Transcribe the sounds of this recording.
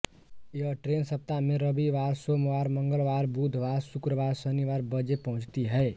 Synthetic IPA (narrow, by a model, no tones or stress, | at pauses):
jəʈɾensəp̚t̪amẽɾəbiʋaːɾsomʋaːɾməŋɡəlʋaːɾbud̪ʱʋaɾsʊkɾəʋaːɾsəniʋaːɾbəd͡ʒepəɦʊ̃t͡ʃt̪iɦɛe